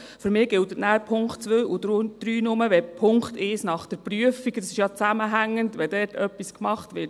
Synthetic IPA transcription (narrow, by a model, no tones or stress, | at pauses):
fʏɾmɪːɡ̥ɪltətnæːɾpʰʊŋkχtt͡sʋøːʔudd̥ɾyːnʊməʋɛpʰʊŋkχteːsnɑχd̥ɛɾpɾyəfiɡdɑsɪʃjɑt͡sæməɦæŋːəndʋɛdɛːɾtʰœpːiskmɑχtʋɪɾt